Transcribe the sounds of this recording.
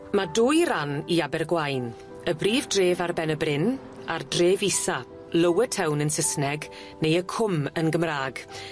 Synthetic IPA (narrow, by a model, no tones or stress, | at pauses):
madʊːjɾaniabɛrɡwajn | əbriːvdreːvarbɛnəbrɪn | ardreːvisa | ləwətʰɛwnənsəsnɛɡ | nejəkʰʊmənɡəmraːɡ